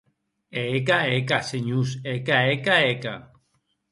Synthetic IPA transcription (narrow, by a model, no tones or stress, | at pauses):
ekaek̬aseɲusekaekaeka̰